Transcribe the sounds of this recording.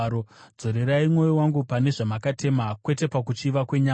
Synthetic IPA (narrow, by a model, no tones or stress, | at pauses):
od͡zo̞ɾe̞ɾaimŋo̞jowaŋɡupane̞ʐamakate̞makwe̞te̞pakut͡ʃiːʋakwe̞ɲa